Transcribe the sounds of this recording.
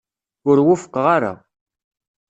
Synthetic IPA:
ʊɾwʊfə̥qːʁaɾa̰

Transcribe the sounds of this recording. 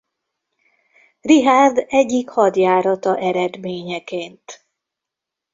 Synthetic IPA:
riɦaːrd̪ɛɟːikhɒd̪jaːɾɒt̪ɒʔɛɾɛd̪meːɲɛkeːnt̪

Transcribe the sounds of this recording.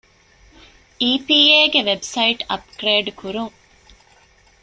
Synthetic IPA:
iːpiːeːɡeʋebsɐiʈɐ̰pɡɾeːɖkuɾuŋ

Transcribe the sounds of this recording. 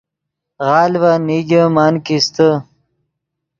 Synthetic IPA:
ɣɑːlwaniɡəmɑːnkist̪ə

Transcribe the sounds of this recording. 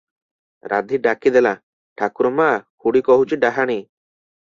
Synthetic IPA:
ɾa̰d̪ʱiɖakid̪ɛla | ʈʰakuɾɔmaʔkuɽikɔɦut͡ʃiɖaɦaɽ̃i

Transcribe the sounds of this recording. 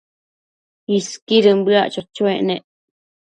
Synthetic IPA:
iskiɾɨmbɨaʔt͡ʃot͡ʃweʔneʔ

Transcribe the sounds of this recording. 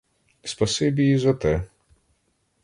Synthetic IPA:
spɐsɪbʲijizɐt̪ɛ

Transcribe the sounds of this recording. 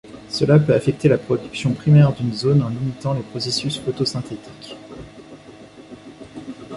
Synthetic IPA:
səlapøafɛk̚t̪elapχɔd̪yksjɔ̃pχimɛʁd̪ynzonɑ̃limit̪ɑ̃lepχɔsesysfɔt̪osɛ̃t̪et̪ʰi̥k

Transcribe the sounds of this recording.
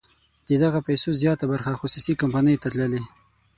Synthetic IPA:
d̪̥əd̪aɣapajsozjɑt̪abaɾxaxʊsusikampanəjt̪at̪ləle

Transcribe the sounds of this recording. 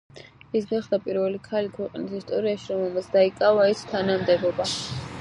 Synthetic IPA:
isɡaχd̪apʼiɾvɛlikʰalikʰwɛqʼnisist̪ʼɔɾiaʃiɾɔmɛlmat̪sʰd̪aikʼavaɛst̪ʰanamd̪ɛbɔba

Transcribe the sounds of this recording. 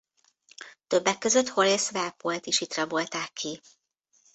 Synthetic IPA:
t̪ø̞bːɛkːøzøt̪ho̞lesvɛlpolt̪iʃhit̪rɒbolt̪aːkʰːi

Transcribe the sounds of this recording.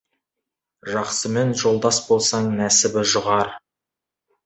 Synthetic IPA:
ʒɑqsəme̞nʒo̞lˠd̪ɑsbo̞lˠsɑɴnæsɪbɪʒʊʁɑɾ

